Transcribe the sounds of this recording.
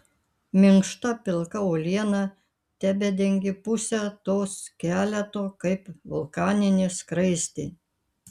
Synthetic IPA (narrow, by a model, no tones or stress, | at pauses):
mʲɪŋkʃt̪ɐpʲɪlˠkɐoːlʲiɛnɐ | t̪ʲæbʲɛd̪ʲɛŋʲɡʲɪpʊsʲɛt̪oːskʲæːlʲɛt̪oːkɐɪpʋʊlˠkɑːnʲɪnʲɪskɾɐɪsʲt̪ʲɪ